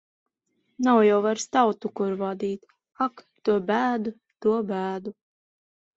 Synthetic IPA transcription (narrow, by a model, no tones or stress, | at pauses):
nawjawvaɾst̪awt̪ukuɾvad̪iːt̪ | ak | t̪uɔbæːd̪u | t̪uɔbæːd̪u